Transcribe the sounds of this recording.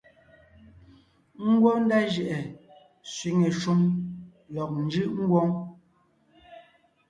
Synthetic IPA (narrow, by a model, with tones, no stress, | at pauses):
ŋ̩˦ɡwɔ˦n̩˦da˦ʒɛ˨ʔɛ˨ | swi˨˦ŋe˨ʃu˦m | lɔ˨k̚n̩˦d͡ʒɯ˦ʔŋ̩˦ɡwɔ˦ŋ